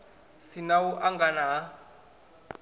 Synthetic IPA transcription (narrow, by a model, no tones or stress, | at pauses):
sinauʔaŋɡanaː